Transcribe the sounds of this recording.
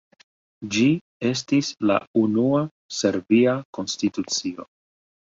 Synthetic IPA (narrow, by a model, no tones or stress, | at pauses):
d͡ʒi | e̞s̬tisla̰unua | se̞ɾviako̞nstitut͡sio̞̰